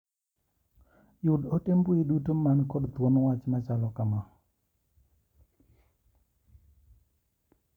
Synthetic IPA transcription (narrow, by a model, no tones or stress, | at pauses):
jʊdotemboidutomankɔdt̪wɔnɔwat͡ʃmat͡ʃalɔkama